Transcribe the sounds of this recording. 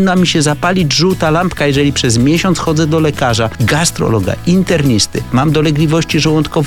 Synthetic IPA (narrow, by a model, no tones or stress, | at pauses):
nːamʲiɕɛzapalʲid͡ʑʐuwt̪alampkajɛʐɛlʲipʂɛzmʲjeɕɔnt̪sxɔd̪zɛd̪ɔlɛkaʐaɡast̪ɾɔ̰lɔɡa̰ʔint̪ɛɾɲist̪ɘmamd̪ɔlɛɡlʲivɔɕt͡ɕiʐɛwɔnt̪kɔv